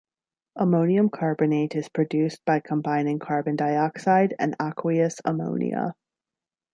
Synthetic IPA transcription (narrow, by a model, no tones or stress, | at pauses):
ʔəmõʊ̃niɨ̃mkʰɑɹbɨneɪɾɨz̥pʰɹ̥ɨdʉsb̥aɪkʰə̃mbãɪ̃nɪ̃ŋkʰɑɹbɨ̃ndaɪɑksaɪɾɨ̰̃nɑkʰwiɨsə̰mõ̰ʊ̃nḭə̰